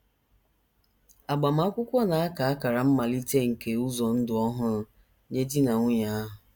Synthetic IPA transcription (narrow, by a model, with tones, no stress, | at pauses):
a˨ɡ͡ba˨m̩˦a˦kʷʊ˦kʷɔ˦na˨a˦ka˨a˦ka˨ɾa˨m̩˦ma˨li˦te˦ŋ̩˨ke˨u˦zɔ˨n̩˦dʊ˨ɔ˦ɦʊ˦ɾ | ɲe˦di˦na˨ŋʷʊ˦ɲa˦ɦʊ˨